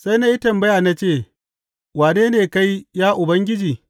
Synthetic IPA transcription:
sa˦jna˦ʔi˦tɐ˨mbɐ˦jaː˨na˦t͡ʃeː˦˨ | waː˨neː˦neː˨ka˦jjaː˦ʔʊ˨bɐ˦ŋɡʲɪ˦d͡ʒiː˨

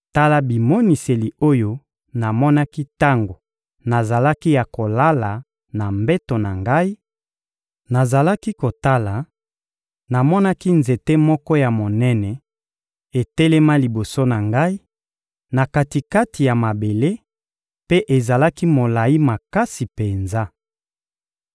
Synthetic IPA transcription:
ta˦la˨bi˨mo˦ni˨se˨li˨o˦jo˦ | na˨mɔ˦na˦ki˦ta˦ŋɡo˨ | na˨za˨la˦ki˦ja˨ko˨la˦la˨ | na˨mbɛ˦to˨na˨ŋɡa˦i˦ | na˨za˨la˦ki˦ko˨ta˦la˨ | na˨mɔ˦na˦ki˦nze˨te˦mɔ˦kɔ˦ja˨mo˨nɛ˦nɛ˨ | e˨tɛ˦lɛ˦ma˦li˨bo˨so˦na˨ŋɡa˦i˦ | na˨ka˨ti˨ka˦ti˨ja˨ma˨be˨le˦ | pe˦ʔe˨za˨la˦ki˦mo˨la˨ji˦ma˨ka˦si˨pe˨nza˦

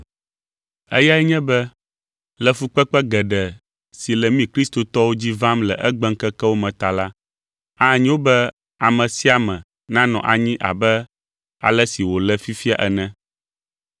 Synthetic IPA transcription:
ɛ˦ja˦ɛ˦ɲɛ̃˦bɛ˦ | lɛ˨fu˦k͡pɛ˦k͡pɛ˦ɡɛ˨ɖɛ˨ | si˨lɛ˨mĩ˦kɾi˦st̪o˨t̪ɔ˦wo˦d͡ʑi˦vã˦mlɛ˨ʔɛ˦ɡ͡bɛ˦ŋ˦kɛ˦kɛ˦wo˦mɛ̃˨t̪a˨la˦ | a˦˨ɲĩ˦wo˦bɛ˦ | a˨mɛ̃˨si˦a˨mɛ̃˨ | nã˦nɔ̰̃˨ʔa˨ɲĩ˦ʔa̰˨bɛ˦ | a̰˨lɛ˦si˨wo˨lɛ˦fi˦fi˦a˦ʔɛ˨nɛ̃˦

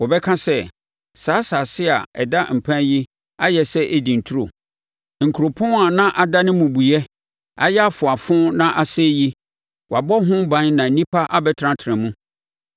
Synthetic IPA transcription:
wɔ˨bɛ˦kʰã˦sɛ˦˨ | saː˨˦saː˨sɪ˦a̰˨ɛ̰˨da˦m̩˨pʰã˦ji˦ | a˦jɛ˨sɛ˦ʔe˨dĩ˨n̩˨tʰu˦ɾo˨ | ŋ̩˨kʰu˨ɾo˨pʰʊ̃˦a˨nã˦ʔa˨da˦nɪ̃˦mũ˨bu˨jɛ˦ | a̰˨jɛ˦a˦fʊ˨a˨fʊ̃˦nã˦ʔa˨sɛ˦ji˦ | wa˨bɔ˦ɦʊ̃˦bã˨˦nnã˨n̩˨nĩ˦pʰa˦ʔa˦bɛ˦tʰɾã˦tʰɪ˨ɾɪ̃˨mũ˦

